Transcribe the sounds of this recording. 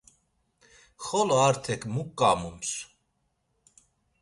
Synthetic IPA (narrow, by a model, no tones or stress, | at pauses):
χɔlɔaɾt̪ʰɛkʰmukʼːamums